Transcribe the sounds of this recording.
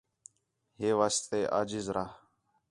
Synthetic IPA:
ɦeːʋaːst̪eːʔa̰ːd͡ʒiːzɾaːɦ

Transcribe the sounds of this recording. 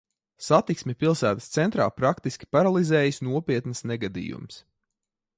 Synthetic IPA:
sat̪iksmʲɛpilˠsæːt̪əst̪sɛnt̪ɾa̰ːpɾakt̪iskʲi̥paɾalˠizɛːjisnuɔpʲiɛt̪nɨsnɛɡad̪ḭːjṵms

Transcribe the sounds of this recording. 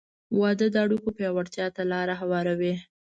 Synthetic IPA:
wɑd̪əd̪əaɽukopjɑwaɽt̪jɑt̪alɑɾaɦawɑɾawi

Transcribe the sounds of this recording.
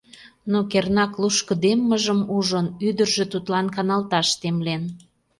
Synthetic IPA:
nokernɑkluʃkəd̪emːəʒəmuʒənyd̪ərʒĕt̪ut̪lɑnkɑnɑlt̪ɑʃt̪emlen

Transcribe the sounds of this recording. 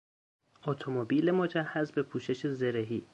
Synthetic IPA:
ʔot̪ʰomobiːlemod͡ʒæhːæzbepʰuːʃe̞ʃezeɾeɦiː

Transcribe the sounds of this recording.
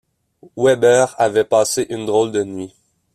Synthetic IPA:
wɛbɛːʁavɛpaːseʔynd̪ʁɔld̪ənɥi

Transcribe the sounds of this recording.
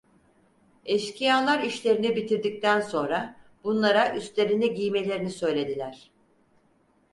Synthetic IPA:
ɛʃcʰijalˠaɾiʃlʲe̞ɾinibit̪ʰiɾd̪ic̚t̪ænso̞nɾabunlˠaɾaʔyst̪lʲe̞ɾiniɟijme̞lʲe̞ɾinisø̞jlʲe̞d̪ilʲæɾ̥

